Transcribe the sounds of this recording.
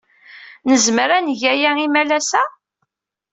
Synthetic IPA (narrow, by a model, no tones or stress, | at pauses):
nəzməɾænʝæjæimælæsæ